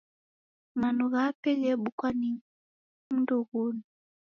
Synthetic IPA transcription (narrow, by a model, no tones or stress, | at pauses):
manuɣapɛjɛɓukwani | m̩nduɣunu